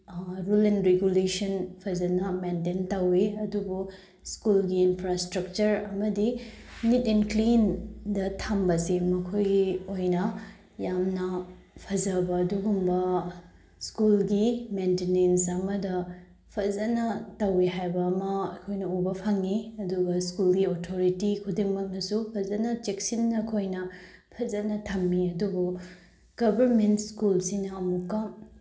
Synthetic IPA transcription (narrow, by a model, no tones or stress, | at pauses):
ɾulenɾeɡulesɐnpʰɐzɐnɐmententɐwiɐdubu | skulɡiːnpʰɾastɾɐk̚t͡ʃɐɾɐmɐdi | nitinklindɐtʰambɐsimɐkʰojojnɐ | jamnɐ | pʰɐzɐbɐːduɡumbɐ | skulɡimentenensɐmɐdɐ | pʰɐzɐnɐtɐwiɦajbɐːmɐɐkʰojnɐubɐpʰɐŋiɐduɡɐskulɡiotʰoɾitikʰudiŋmɐk̚nɐsupʰɐzɐnɐt͡ʃeksinːɐkʰojnɐ | pʰɐzɐnɐtʰɐmːiɐdubu | ɡ̥ɐbʱɐɾmentskulsinɐːmukːɐm